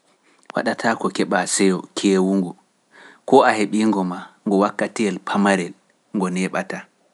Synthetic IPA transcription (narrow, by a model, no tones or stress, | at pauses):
wa̰ɗatʰaːkɔkɛɓasɛjɔkʰeːwuŋɡu | kɔaheɓiːŋɡɔmaŋɡɔwakːatijɛlpʰamaɾɛl | ŋɡɔnɛɓata